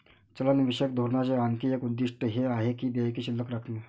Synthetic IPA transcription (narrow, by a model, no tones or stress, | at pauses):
t͡ɕələnʋiɕəkd̪ʱoɾnat͡ɕeaŋkijekud̪ːiʂʈəɦeaɦekiːd̪eakiːɕilːəkɾakʰne